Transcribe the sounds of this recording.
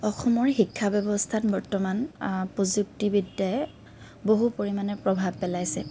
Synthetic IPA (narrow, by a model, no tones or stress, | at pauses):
ɔxɔmɔɹxikʰːabɛbɔstʰatbɔɹtɔmanpɹozuk̚tibidajɛ | boɦupoɹimanɛpɹɔbʱabpɛlajsɛ̰